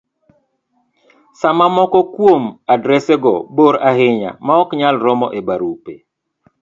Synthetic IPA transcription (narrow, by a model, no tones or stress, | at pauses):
samamɔkɔkwomadɾɛseɡɔboɾahɪɲa̰maɔkɲalɾɔmɔ̰ʔebaɾupḛ